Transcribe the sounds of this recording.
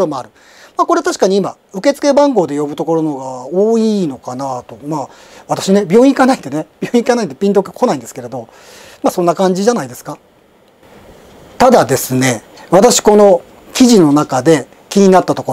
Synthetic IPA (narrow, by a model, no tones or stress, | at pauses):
ɾomo̞aɾɯ̟ | mako̞ɾe̞at̪aɕi̥kaɲ̟iima̰ | ɯ̟ke̞t͡sɨ̥ke̞bãŋɡo̞ːd̪e̞jo̞bɯ̟t̪o̞ko̞ɾo̞no̞ɡaoːiːno̞kanat̪o̞maː | βat̪ḁɕine̞bʲjo̞ːĩikanait̪e̞ne̞b̥ʲjoːĩikanait̪̬ːepʲĩnt̪okekʰo̞naĩnd̪esɨ̥ke̞ɾe̞d̪o̞ | maso̞nːakãɲ̟d͡ʑiʑanaid̪e̞sɨ̥ka | t̪ad̪ad̪e̞sɨne̞βat̪aɕi̥ko̞no̞ | kʲiʑino̞nakad̪e̞ | kʲiɲ̟inat̪ːat̪o̞ko